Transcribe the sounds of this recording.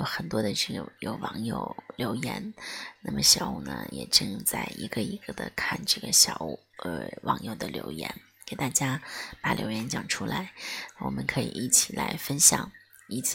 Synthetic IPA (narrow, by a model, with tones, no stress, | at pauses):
jo˧˥ʊxə˨˩nt̪wɔ˥d̪ə˧ʂy˥˩jo˨˩ʊwɑ˧˥ŋjo˨˩ʊljo˧˥ʊjɛ˧˥nna˥˩mə˨ɕjɑ˨˩ʊu˥˩nə̰˩jɛ̰˨˩ʈ͡ʂɤ˥˧ŋt͡sa˥˩ɪi˧˥ɡə˧i˧˥ɡ̥ə˧d̪ə̰˨˩kʰa˥˩nʈ͡ʂɤ˥˩ɡə˩ɕjɑ˨˩ʊu˥˩ə˧˩wʔɑ˧˥ŋjo˨˩ʊd̪ə˨ljo̰˧˥ʊjɛ̰˧˥n | ke˨˩ɪt̪a˥˩t͡ɕja˥pa˨˩ljo̰˧˥ʊjɛ˧˥nt͡ɕjɑ˨˩ŋʈ͡ʂʰu˥la˧˥ɪna˥˩wɔ̰˨˩mə˦nkʰɤ˧˥ḭ˨˩i˥˩t͡ɕʰi˨˩la˧˥ɪfə˥nɕjɑ˨˩˦ŋ | i˥t͡sʰ